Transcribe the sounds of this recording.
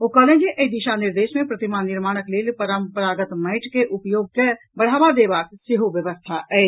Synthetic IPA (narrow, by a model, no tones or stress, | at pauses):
okɐɦlẽd͡ʒeʔəid̪iʃanɪɾd̪eːʃmẽpɾɐt̪imanɪɾmaːɽ̃əkleːlpəɾəmpɾaːɡət̪məɪʈʰkeʔʊpjoːɡ̚ke | bɐɽ̤aːʋad̪eːbaːksɪɦuʋjəʋəst̪ʰaɛː